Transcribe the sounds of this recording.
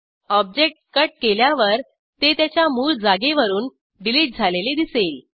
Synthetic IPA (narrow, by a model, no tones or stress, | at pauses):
ɔb̚d͡ʑek̚ʈ̚kəʈ̚keljaʋəɾ | t̪et̪jat͡ɕjamuːld͡zaɡeʋəɾuːn | ɖiliːʈ̚d͡zʱaleled̪isel